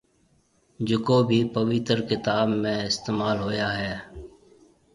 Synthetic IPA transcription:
d͡ʒʊkoːbʱiːpəʋɪt̪əɾkɪt̪aːbmẽːɪst̪eːmaːlɦoːjaːɦɛː

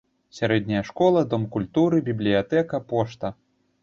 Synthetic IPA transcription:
sʲaɾɛd̪̚ʲnʲɐjɐʂkɔlˠɐd̪ɔmkulʲt̪uɾɨbʲiblʲijat̪ɛkɐpɔʂt̪ɐ

